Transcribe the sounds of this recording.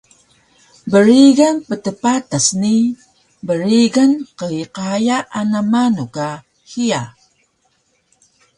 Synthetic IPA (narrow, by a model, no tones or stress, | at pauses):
bəɾiɡanpətəpatasni | bəɾiɡanqəiqajaʔanamanuka | xia